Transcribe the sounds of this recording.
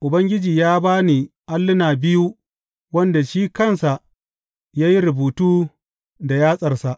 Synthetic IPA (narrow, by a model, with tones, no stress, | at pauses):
ʔʊ˨bɐ˦ŋɡʲɪ˦d͡ʒiː˨jaː˦baː˦neː˨ʔa˦lːʊ˦naː˨bɪ˦ju˦ | wɐ˦nda˨ʃiː˦kɐ˦˨nsa˨ʔ | jaː˦ji˦ɾʊ˨buː˨tuː˦ | da˨jaː˦sʼɐ˨rsa˨ʔ